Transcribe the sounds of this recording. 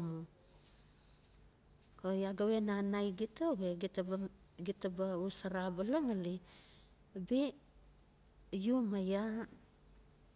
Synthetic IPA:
mu | kojaɡawenanajɡitabeɡitɡitabausaɾabalaŋali | be | jumaja

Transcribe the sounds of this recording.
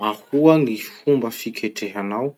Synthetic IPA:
ahuanifumbəfikʰeʈ͡ʂeɦanaw

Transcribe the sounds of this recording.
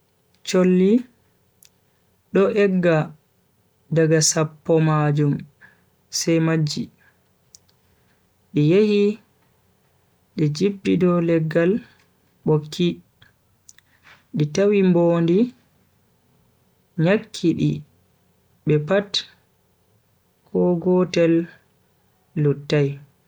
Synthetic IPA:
t͡ʃolːi | ɗɔʔɛɡːa | daɡasapːɔmad͡ʒum | sɛjmad͡ʒːi | ɗɛjehi | ɗɛd͡ʒibːidɔlɛɡal | ɓokʰːi | ɗitawimboːndi | ɲakʰːiɗi | ɓɛpat | kʰɔɡɔtɛl | utːaj

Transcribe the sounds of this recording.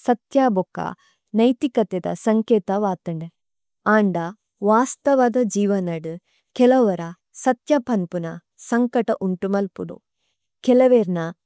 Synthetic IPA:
sɐt̪jaːbokːɐ̰ | nɐjt̪ikɐt̪ɐd̪ɐ̰sɐŋkeːt̪ɐʋaːt̪ɐɳɖe | aːɳɖɐ | ʋaːst̪ɐʋɐd̪ɐd͡ʒiːʋɐnɐɽu | kɛlɐʋɐɾɐ | sɐt̪jɐpɐnpunɐ | sɐŋkɐʈɐʔuɳʈumɐlpud̪ṵ | kɛlɐʋeːɾnɐ

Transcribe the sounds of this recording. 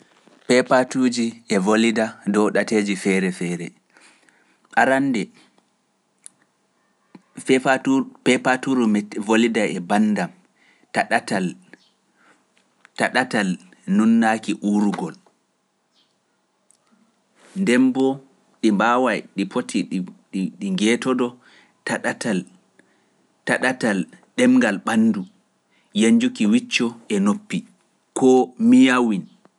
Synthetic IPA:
pɛpatud͡ʒiʔɛvolidadɔwɗateːd͡ʒifɛɾɛfɛːɾɛ | ʔaɾandɛ | ɛapɛpatuɾumɛvolidaɛbandam | taɗatal | taɗatal | nunːakiʔuɾuɡɔl | ndɛmbɔ | ɗimbawajɗipotʰiɗɗiŋɡɛtɔdɔ | taɗatal | taɗatalɗɛmŋɡalɓanːdu | jaɲd͡ʒukiwit͡ʃːɔʔɛnopːi | kʰɔmijawin

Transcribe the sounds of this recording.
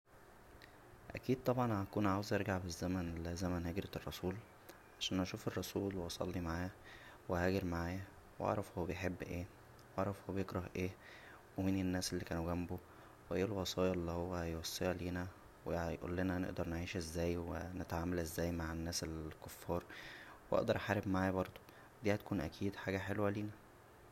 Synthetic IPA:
ʔæ̰kiːd̪̚t̪ˤɑbʕɑnækuːnʕaːwezʔeɾɡaʕbezːæmænelzæmænheɡɾerˤːɑsuːl | ʕaʃæːnʔæʃuːferˤːɑsuːlweʔɑsˤɑ̰lːimaʕaːjæwehæːɡeɾmaʕaːjæ | wʔɑ̰ʕɾˤɑfhowːæbejħebːʔeː | wɑ̰ʕɾˤɑfhowːæbjekɾˤɑhʔeː | weminenːæːsʔelːikæːnuɡæmbo | weʔeːlwɑsˤɑːjɑʔelːihowːæjwɑsˤːejɑliːnæ | wejʔṵlːenænḛʔd̪ɑɾˤneʕiːʃezːæːjwenet̪ʕaːmælʔezːæːjmaʕenːæːselkofːɑːɾˤweʔɑ̰ʔd̪ɑɾˤʔħaːɾebmaʕajbɑɾˤd̪̥ˤo̥ | d̪iːhæt̪̚kuːnʔæ̰kʰiːd̪ħaːɡæħelwæliːnæ

